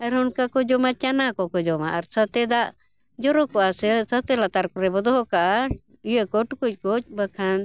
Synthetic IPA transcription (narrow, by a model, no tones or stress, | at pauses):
aɾɦunkakɔd͡ʒɔmat͡ʃanakɔkɔd͡ʒɔmaʔːɾsat̪ɛd̪aʔ | d͡ʒɔɾɔkɔasɛsat̪ɛlat̪aɾkuɾɛbɔd̪ɔɦɔkaʔa | ijɛkɔʈkuc̚ˀkɔc̚bəkʰan